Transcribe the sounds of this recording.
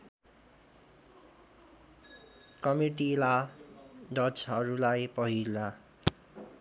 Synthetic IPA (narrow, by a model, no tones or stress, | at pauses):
kʌmiʈila | dʌt͡sɦʌɾulajpʌɦilːa